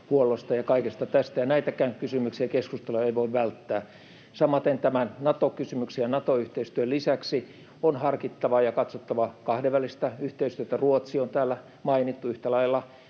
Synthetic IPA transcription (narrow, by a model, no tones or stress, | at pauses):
puolːost̪ɑjɑkɑikest̪ɑt̪æst̪æjɑnæit̪ækæːŋkysymyksiækeskust̪elojeiʋoiʋʋælt̪ːæː | sɑmɑt̪ent̪æmænnɑt̪okysymyksiɑnɑt̪oyht̪eist̪yølisæksi | onhɑrkit̪ːɑʋɑjɑkɑt̪sot̪ːɑʋɑkɑhdeʋʋælːˑist̪æyht̪eist̪yøt̪æruot̪siont̪æːlːæ | mɑinit̪ːuyht̪ælɑilːɑ